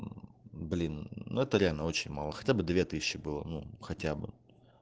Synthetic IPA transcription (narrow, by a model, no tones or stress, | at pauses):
blʲinːuɛt̪əɾʲɪalʲnəo̞t͡ɕɪnʲmalˠəxɐ̥tʲabɨd̪vʲet̪ɨsʲɪɕːɪbɨlˠə̰nuxɐtʲabɨ̰